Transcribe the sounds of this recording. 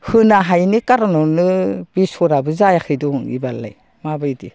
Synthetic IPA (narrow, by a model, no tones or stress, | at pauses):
hɯnaɦajnikaɾɔnɔnɯb̥isɔɾabɯzajakʰɯjdɔŋḭbalːa̰j | mabajdi